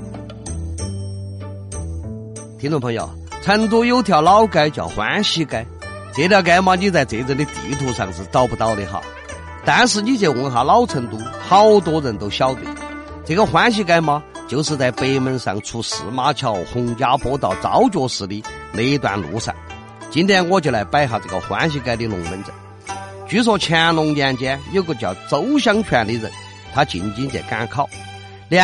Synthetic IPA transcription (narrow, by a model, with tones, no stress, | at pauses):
t̪ʰi˥ŋʈ͡ʂʊ˥˩ŋpʰɤ˧ŋjo̰˨˩ʊ | t͡sʰə˥nt̪wɔ˥jo˥ʊt̪ʰjɑ˧˩ʊlɑ˥ʊka˥ɪt͡ɕjɑ̰˨˩ʊxwa̰˧˥nɕi˥ka˥ɪ | t͡se˧˥ɪt̪jɑ˧ʊka˥ɪma˧t͡ɕo˧t͡sa˥˩ɪt͡se˧˥ɪt͡sə˧nli˧t̪ḭ˨˧˥t̪ʰu˧˥ʂɑ̰˥˧ŋʂɻ̩˧˩t͡sɑ˥˧ʊpu˧˩t̪ɑ˥˧ʊlḭ˧˩xɑ̰˥˩ʊ | t̪a˧˥nʂ̬ɻ̩˧t͡ɕi˥t͡ɕɛ˧˩wə˧˥ŋxa˧˥lɑ˥ʊt͡sʰə˧˥nt̪u˧˥xɑ˥ʊt̪̬wɔ˥ɻə˧˥nt̪o˥ʊɕjɑ˥ʊt̪ḭ˨˩˦ | t͡sɤ˧˩ɡə˧xwa˧˥nɕ̬i˥ka˥ɪma˧ | t͡ɕo˥˧ʊʂɻ̩˧t͡sa˧ɪpe˥ɪmə˧˥nʂɑ̰˥˧ŋt͡sʰu˥ʂɹ̩˧˥ma˥t͡ɕʰjɑ˥˩ʊxʊ˧˥ŋt͡ɕja˥pwɔ˥t̪ɑ˨˩ʊt͡sɑ̰˧˥ʊt͡ɕjɔ˧˥ʂɹ̩˧˥li˧˩me˧˥ɪ˧˩t̪wa̰˧˩nlṵ˧˥sa̰˨˩˦n | t͡ɕi˧˥nt̪ʰjɛ˥nwɔ˥˧˩t͡ɕʰi˧˩la˧˥ɪpa˥ɪxa˧˩t͡sɤ˥˧˩ɡə̰˧xwa̰˧˥nɕ̬i˧˥ka˥ɪli˧lʊ̰˧˥˩ŋmə˧˥nʈ͡ʂə̰˨˩˦ | t͡ɕy˧˥s̬wɔ˧˩t͡ɕʰjɛ˥lʊ˧˥ŋljɛ˥˧nt͡ɕjɛ˥njo˥˧˩ʊɡə˧˩t͡ɕjɑ˧˩ʊt͡so˧˥ʊɕ̬jɑ˥ŋt͡ɕʰɥɛ˧˥nli˧˥ɻə̰˧˥˦n | t̪ʰa˥t͡ɕḭ˨˩nt͡ɕi˥nt͡ɕjɛ̰˨˩ka˥nkʰɑ˥˩ʊ | l